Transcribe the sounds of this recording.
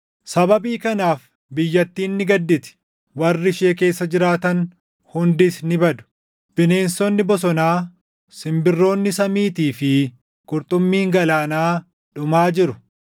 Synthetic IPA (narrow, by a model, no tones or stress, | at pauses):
sɐbɐbiːkɐnaːf | bɪjːɐt̪ːiːnːɪɡɐd̪ːɪt̪ɪ̥ | wɐrːɪʃeːke̞ːsːɐd͡ʒɪɾaːt̪ɐn | hʊnd̪ɪsnɪbɐd̪ʊ̥ | b̥ɪne̞ːnsɔnːɪbɔs̬ɔnaː | sɪmbɪrːo̞ːnːɪsɐmiːt̪iːfɪ | kʼʊɾt̪ʼʊmːiːŋɡɐlaːnaː | ᶑʊmaːd͡ʒɪɾʊ